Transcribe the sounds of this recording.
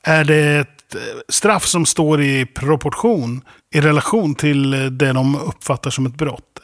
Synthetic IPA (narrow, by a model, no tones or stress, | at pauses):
æɖɛɛt̪st̪ɾafːsɔmst̪oːɾɪpʰɾɔpʰɔʈɧuːn | ɪɾɛlaɧuːnt̪ʰɪld̪ɛd̪ɔmɵpːfat̪ːaʂɔmɛt̪̚bɾɔ̰t̪ː